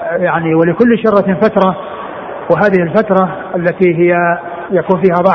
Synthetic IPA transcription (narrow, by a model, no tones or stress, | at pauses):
jaʕniwɪlɪkʊlːʃɑrˤɑfat̪ɾˤɑ | wɪɦaːðɪhɪlfat̪ɾˤɑʔalːat̪iɦɪjːa | jakuːnfiːhabˤɑʕ